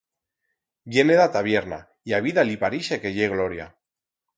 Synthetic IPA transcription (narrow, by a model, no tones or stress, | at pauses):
bjeneðat̪aβ̞jeɾna̰ | iaβ̞iðalipaɾiʃekeʝeɣloɾja̰